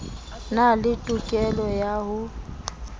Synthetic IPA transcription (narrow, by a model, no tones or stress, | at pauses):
nalɪtʼʊkʼɛlɔjahʊ